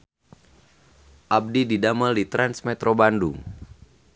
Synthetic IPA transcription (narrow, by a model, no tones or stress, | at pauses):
ʔab̚dididaməldit̪ɾansmɛt̪ɾobanduŋ